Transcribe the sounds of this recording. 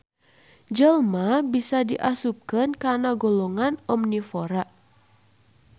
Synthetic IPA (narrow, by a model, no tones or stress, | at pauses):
d͡ʒəlmabisadiʔasup̚kənkanaɡolɔŋanɔmnifoɾaʔ